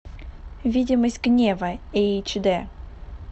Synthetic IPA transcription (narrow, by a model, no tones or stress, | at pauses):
vʲidʲɪməsʲtʲɡnʲevəet͡ɕd̪ɛ